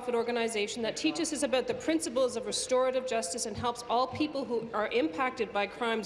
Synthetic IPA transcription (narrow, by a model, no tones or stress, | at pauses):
fɨɾɔɹɡɨnɨɪzeɪʃn̩ðɨtʰit͡ʃɨsɨsɨbaʊt̪̚ðɨpʰɹ̥ɪ̃nsɨpl̩ˠzʌvɹɨstɔɹɨɾɨvd͡ʒʌstɨsɨ̃nɦɛlˠpsɔlˠpʰipl̩ˠɦuə˞ʔɪ̃mpʰæk̚tɨd̚baɪkʰɹ̥ãɪ̃m